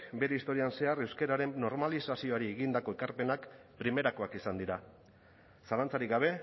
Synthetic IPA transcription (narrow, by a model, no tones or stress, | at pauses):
be̞ɾeist̪o̞ɾianse̞are̞wske̞ɾaɾe̞nːo̞ɾmalisasio̞aɾieɣind̪ako̞ekaɾpe̞nak | pɾime̞ɾako̞akisand̪iɾa | salant͡saɾiɡaβ̞e̞